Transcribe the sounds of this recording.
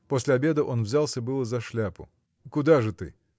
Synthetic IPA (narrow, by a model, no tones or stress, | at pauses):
posʲlʲɪɐbʲe̞d̪əʔo̞nvzʲalˠsʲəbɨlˠəzɐʂlʲapʊ̰ | kʊd̪aʐɨt̪ɨ̰